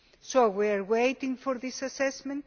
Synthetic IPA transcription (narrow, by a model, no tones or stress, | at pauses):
sowiaɾwejt̪ɪ̃ŋfɔɾðisasɛsmɛ̃nt